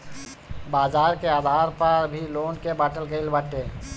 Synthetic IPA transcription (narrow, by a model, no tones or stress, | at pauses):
baːzaːɾkeaːd̪ʱaːɾpəɾbʱiloːnkebaːʈəlɡəɪlbaʈeː